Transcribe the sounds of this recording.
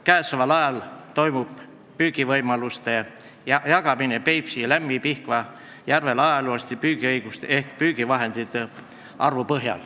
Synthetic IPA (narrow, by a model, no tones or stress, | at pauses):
kæːsovɑlɑjɑlt̪o̞jmub̥ | pyːɡ̥ivɤjmɑlust̪e̞ | jɑɡɑminepe̞jpsilæmːipihkvɑ | jærvelɑjɑluɑst̪ipyːɡ̥iɤjɡ̥ust̪e̞hkpyːɡ̥ivɑɦe̞nd̪̥it̪ˑːe | ɑrvupɤɦjɑ̰l